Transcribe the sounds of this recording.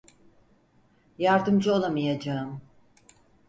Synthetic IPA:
jaɾd̪ɯmd͡ʒɯolˠamijad͡ʒaɯm

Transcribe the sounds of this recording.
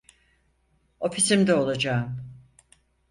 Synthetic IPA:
o̞fisimd̪ɛo̞lˠad͡ʒaːɯm

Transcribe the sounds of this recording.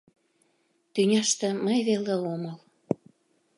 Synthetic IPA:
t̪ynʲɑʃt̪ĕməjβeleoməl

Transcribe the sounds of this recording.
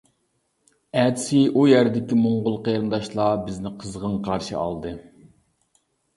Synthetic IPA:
æd̪ɪsɪʔujæɾɪd̪ɪkʲimoɴʁʊlˠqejɾɨnd̪ɑʃlˠɑːbɪznɪqʰəzʁəŋqʰɑɾʃɨ̰ʔɑ̰lˠd̪ɨ

